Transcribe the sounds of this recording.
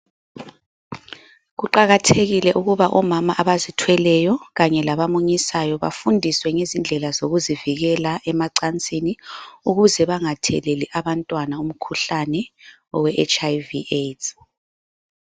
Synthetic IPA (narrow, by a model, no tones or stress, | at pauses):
ɣuǃaɣatʰeɣilɛʔuɣuβaʔɔmamaʔaβazitʰwɛlɛjɔɣaɲɛlaβamuɲisajɔβa̰fundʱiswɛŋezind͡ɮʱɛlazoɣuziviɣɛlaʔɛmaǀant͡sʼiniuɣuzɛβaŋatʰɛ̰leliʔaβantʼwanaum̩kʰuɬanɛ | ɔwɛʔɛt͡ʃajviet